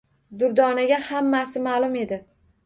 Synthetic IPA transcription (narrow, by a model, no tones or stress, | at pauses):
d̪ʊɾd̪ɒnaɡʲahamːasɪmalˠʊme̞d̪ɪ